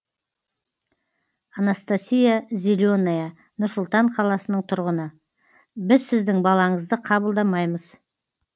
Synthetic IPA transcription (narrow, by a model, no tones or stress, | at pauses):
anast̪asʲijazʲilʲonaja | nʊɾsʊlˠt̪ɑɴqʰɑlˠɑsənəɴt̪ʰʊɾʁənə | bɪzsɪzd̪ɪŋbɑlˠɑɴəzd̪əqʰɑbəlˠd̪ɑmɑjməz̥